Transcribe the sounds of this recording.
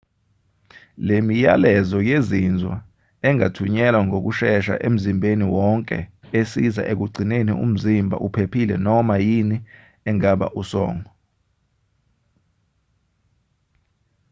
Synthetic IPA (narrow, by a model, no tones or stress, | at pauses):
lemijalɛzɔjezind͡zʱwa̰ | ɛŋatʰuɲɛlwaŋok̬uʃɛʃa̰ʔem̩zimbʱeniwɔŋkʼɛ̰esiza̰ʔek̬uɡ͡ǀʱinenḭṵm̩zimbʱa̰ʔupʰepʰilɛ̰nɔmajini | ɛŋaɓa̰ʔusɔ̰ːŋɔ